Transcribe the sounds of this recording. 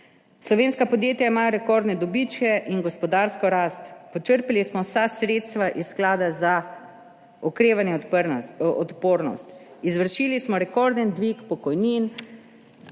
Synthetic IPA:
slɔʋeːnskapɔd̪jeːt̪jaimaːɾɛkɔɾd̪nɛd̪ɔbit͡ʃkɛʔinɡɔspɔd̪aɾskɔɾast̪pɔt͡ʃəɾpalismɔwsasɾeːt̪st̪ʋaʔissːklaːd̪aza | ɔkɾeːʋanjɛ | ɔt̪poːɾnɔ̰st̪izʋəɾʃilismɔɾɛkɔɾd̪ənd̪ʋikpɔkɔjnin

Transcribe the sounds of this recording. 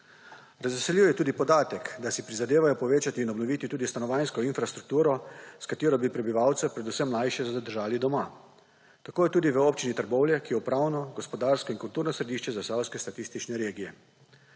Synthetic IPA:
ɾazʋɛsɛljiwjɛt̪uːd̪ipɔd̪aːt̪ɛkd̪asipɾizad̪eːʋajɔpɔʋeːt͡ʃat̪iːnɔbnɔʋit̪it̪uːd̪ist̪anɔʋajnskɔinfɾast̪ɾuk̚t̪uːɾɔskat̪eːɾɔbipɾɛbiʋawt̪sɛpɾɛd̪usɛmlajʃɛad̪əɾʒaːlid̪ɔma | t̪akoːjɛt̪uːd̪iʋəoːp̚t͡ʃinit̪əɾbɔwljɛkijɛupɾawnɔɡɔspɔd̪aɾskɔinkult̪uːɾnɔsɾɛd̪iːʃt͡ʃɛzasawskɛst̪at̪ist̪it͡ʃnɛɾeːɡijɛ

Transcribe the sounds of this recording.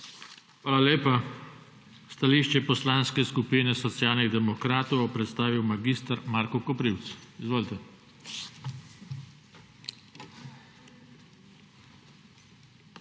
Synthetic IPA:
xʋaːlaleːpa | st̪aliːʃt͡ʃɛpɔslaːnskɛskupiːnɛsɔt̪sjaːlniɣd̪ɛmɔkɾaːt̪ɔwjɔpɾɛt̪st̪aːʋiwmaɡist̪aɾmaːɾkɔkɔpɾiwt̪sizʋoːlit̪ɛ

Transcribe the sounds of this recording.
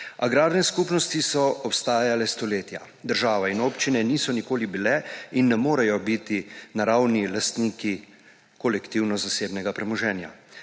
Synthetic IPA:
aɡɾaːɾnɛskuːpnɔst̪isɔɔpst̪aːjalɛst̪ɔleːt̪ja̰ | d̪əɾʒaːʋainoːpt͡ʃinɛniːsɔnikoːlibilɛinːɛmoːɾɛjɔbit̪inaɾawnilast̪niːki | kɔlɛkt̪iwnɔzaseːbnɛɡapɾɛmɔʒɛːnja̰

